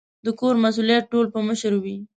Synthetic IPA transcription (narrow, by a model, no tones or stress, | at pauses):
d̪əkoɾmas̬uljat̪̚ʈolpəməʃəɾwi